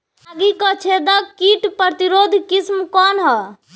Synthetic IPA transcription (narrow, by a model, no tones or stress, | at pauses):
aɡikət͡ʃʰed̪əkiʈpɾət̪iɾod̪ʱkismkɔnɦɔ